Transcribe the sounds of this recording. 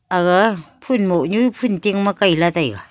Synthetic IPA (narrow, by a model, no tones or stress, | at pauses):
aɣapʰunmoʔɲuipʰuntiŋmakajlatajɣa